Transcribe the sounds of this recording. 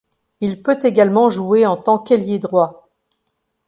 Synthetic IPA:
ilpøt̪eɡalmɑ̃ʒueɑ̃t̪ɑ̃keljed̪ʁwa

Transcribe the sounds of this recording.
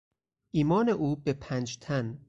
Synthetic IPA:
ʔiːmɒːne̞ʔuːbepʰæːnd͡ʒt̪ʰæn

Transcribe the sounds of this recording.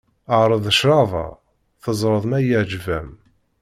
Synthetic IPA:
əʕɾˤəðˤəʃɾɑvˤɑ̰ | θəzˤɾˤəðˤmæjəʕd͡ʒvæm

